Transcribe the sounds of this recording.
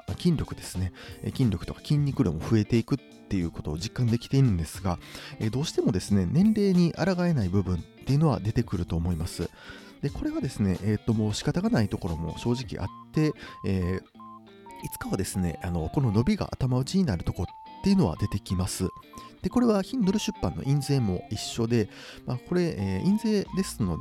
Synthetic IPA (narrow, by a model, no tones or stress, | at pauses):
kʲĩnɾʲo̞kɯ̟d̪e̞sɨ̥ne̞̰kʲĩnɾʲo̞kɯ̥t̪o̞kḁkʲĩɲ̟ːikɯ̟ɾo̰mo̞ɸɯ̟e̞t̪e̞ikɯ̟t̪ːe̞jɯ̟ko̞t̪o̞ːʑikːãnd̪e̞kʲi̥t̪e̞iɾɯ̟̃nd̪e̞sɨɡaed̪o̞ːɕi̥t̪e̞mo̞d̪e̞sɨne̞nẽ̞nɾe̞ːɲ̟iʔaɾaɡae̞naibɯ̟bɯ̟̃nt̪ːe̞jɯ̟no̞βa̰d̪e̞t̪e̞kɯ̟ɾɯ̟t̪o̞ːmo̞imasɨ̰ | d̪̥e̞ko̞ɾe̞ɡad̪e̞sɨne̞̰ʔeːt̪ːo̞mo̞ːɕi̥kat̪aɡanait̪o̞ko̞ɾo̞mo̞̰ɕo̞ːʑikʲḭʔa̰t̪ːe̞eː | it͡sɨ̥kaβad̪e̞sɨne̞̰ʔano̞ko̞no̞no̞bʲiɡa̰ʔat̪amaɯ̟t͡ɕiɲ̟inaɾɯ̟t̪o̞ko̞t̪ːe̞jiɯ̟no̞β̞a̰d̪e̞t̪e̞kʲimasɨd̪̥e̞ko̞ɾe̞βaçĩnd̪oɾɯ̟ɕɨpːãnːo̞̰ʔĩnze̞ːmo̞̰iɕːo̞d̪e̞ | mako̞ɾe̞ʔeːĩnze̞ːd̪e̞sɨno̞d̪